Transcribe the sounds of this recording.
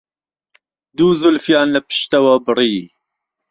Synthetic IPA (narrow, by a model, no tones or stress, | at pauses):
d̪uːzʊlfjɑːnlɐpɨ̥ʃt̪ɐwɐbɨɾiː